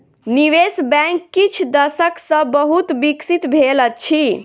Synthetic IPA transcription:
niʋesbɛ̃kːit͡ʃʰd̪əsəksə̃bəɦut̪biksit̪bʱelət͡ʃʰi

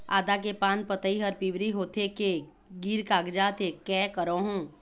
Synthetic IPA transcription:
a̰ːd̪ak̬epaːnpət̪əiɦɐɾpiʋɾiɦoːt̪ʰeke | ɡiɾkaːɡd͡ʒat̪ʰekɛːkəɾoɦũː

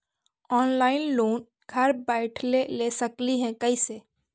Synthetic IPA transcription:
ɔːnlaːɪnloːn | ɡʱɐɾbɛːɪʈʰlelesɐkliɦɛ̃kɐiseː

